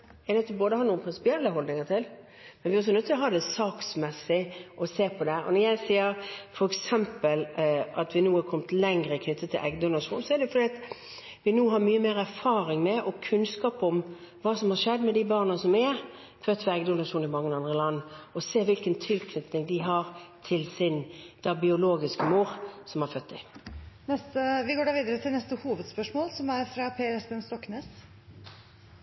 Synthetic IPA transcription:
ɛnɛt̪ːɪboːd̪əhɑɾnuːənpɾɪnsɪ̥pɪɛlːəɦɔld̪nɪŋət̪ʰɪl | mɛnʋɪɔs̬ɔnʉt̪ːʰɪlɔɦɑːd̪ɛsɑːksmɛsːɪʔɔseːpʰɔd̪ɛʔɔ̰nɔɾjæɪsiːəɾfɔɾɛksɛmpəlʔɑt̪ʋɪnuːɑkʰɔmət̪lɛŋɾəkʰnʏt̪ʰːət̪ʰːɪlʔɛ̰ɡd̪ʊnɑʂuːnsɔɛɾd̪ɛʊfɔɾɖ̪iːɑt̪ | ʋɪnuːɦɑɾmyːəmeːɾæɾfɑːɾɪŋmɛʔɔkʰʉnskɑːpɔm | ʋɑːsɔmhɑʂɛd̪ːmɛd̪ɪbɑːʁnəsɔmɛ | fœt̪ːʋəɛɡd̪ʊnɑʂuːnɪmɑŋːəɑnd̪ʁəlɑnːɔseːʋɪlkənt̪ʰɪlkʰnʏt̪nɪŋd̪ɪɦɑːɾt̪ʰɪlsɪnd̪̥ɑbɪʊloːɡɪskəmuːɾsɔmhɑɾfœt̪̚ːd̪ɪnɛst̪əʋɪɡoːɖɑɾʋiːd̪əɾət̪ʰɪlnɛst̪əhuːʋəd̪spœʂmoːlsɔmæɾfɾɑpʰeːɛsbənst̪ɔkneːs

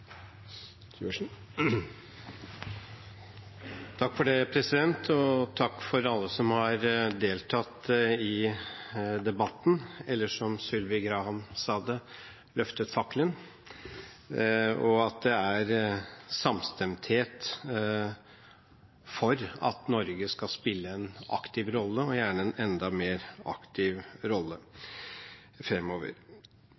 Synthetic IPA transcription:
t̪ʰɑkːfɔɖeːpʰɾɛsɪd̪ɛnt̪ʰɔt̪ʰɑkːfɔɾɑlːəsɔmhɑɾd̪eːlt̪ʰɑt̪ːɪ | d̪ɛbɑt̪ːn̩ɛlːəʂɔmsʏlʋɪɡɾɑːhɑmsɑːd̪ə | lœft̪ət̪fɑkːlən | ɔɑt̪̚d̪ɛæɾsɑmst̪ɛmt̪heːt̪ | fɔɾɑ̰t̪nɔɾɡəskɑspɪlːəɛnɑ̰kt̪ɪʋɾɔlːəɔjæːɳəɛnɛnd̪ɑmeːɾɑ̰kt̪ʰɪʋɾɔlːə | fɾɛmːoːʋə̰ɾ

